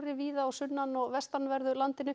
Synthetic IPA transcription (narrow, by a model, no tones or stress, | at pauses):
ɾɪviːðaːwsʏnːanɔɣvɛst̪anvɛɾðʏlant̪ɪnʏ